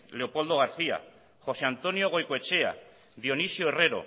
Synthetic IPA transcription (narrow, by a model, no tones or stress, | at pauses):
leo̞po̞ld̪oɣ̞aɾθia̰ | χo̞seant̪o̞njoɣ̞o̞jkoet͡ʃea̰ | ðio̞nisjoere̞ɾo̰